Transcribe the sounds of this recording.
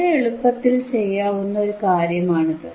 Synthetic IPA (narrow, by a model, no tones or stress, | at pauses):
eeɭupːɐt̪ːilt͡ɕe̞jːaːʋunːɐo̞ɾukaːɾjɐmaːɳɐðɨ